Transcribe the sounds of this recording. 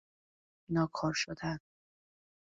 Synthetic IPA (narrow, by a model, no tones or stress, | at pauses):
nɒːkʰɒːɾʃod̪æn